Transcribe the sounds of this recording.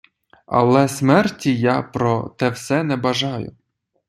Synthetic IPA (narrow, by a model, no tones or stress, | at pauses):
ɐ̰lˠɛsmɛrtʲijapɾɔt̪ɛwsɛnɛbɐʒɑjʊ̰